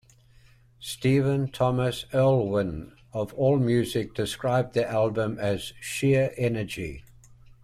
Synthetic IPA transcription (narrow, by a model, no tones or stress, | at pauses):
stiːvə̃ntʰɒməsɜːlˠwɪ̃n | əvɔːlˠmjʉːzɪk̚d̥ɪskɹaɪb̚ðiʔalˠbə̃məz̥ʃɪəɹʔɛnəd͡ʒḭ